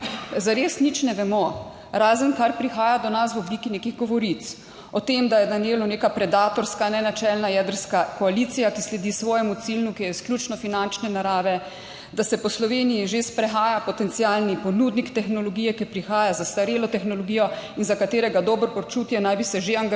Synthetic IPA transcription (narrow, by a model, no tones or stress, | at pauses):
zaɾeːsnit͡ʃnɛʋɛmɔ | ɾaːzənkaɾpɾixaːjad̪ɔnas̬ʋɔblikineːkiɣɡɔʋɔɾit̪s | ɔt̪emd̪ajɛd̪anjeːlɔneːkapɾɛd̪aːt̪ɔɾskanɛnat͡ʃɛlnajɛːd̪əɾskakɔalit̪sijakislɛd̪isʋɔːjɛmut̪silnukijɛisklʲuːt͡ʃnɔfinant͡ʃnɛnaɾaːʋɛ | d̪asɛpɔslɔʋeːnijiʒespɾɛxaːjapɔt̪ɛnt̪sialnipɔnuːd̪nikt̪ɛxnɔlɔɡiːjɛkipɾixaːjazast̪aɾeːlɔt̪ɛxnɔlɔɡiːjɔinzakat̪eːɾɛɡad̪ɔːbɾpɔt͡ʃut̪jɛnajbisɛʒeaŋɡ